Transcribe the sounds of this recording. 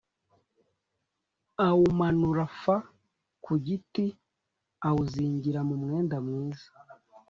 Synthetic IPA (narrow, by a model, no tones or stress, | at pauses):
awumanuɾafa | kʰuɟiti | awuziːɲɟiɾamumŋe̞ːndamŋiːzḁ